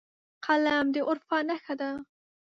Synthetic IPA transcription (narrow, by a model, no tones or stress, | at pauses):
qʰalamd̪eʔʊɾfɑnaxad̪a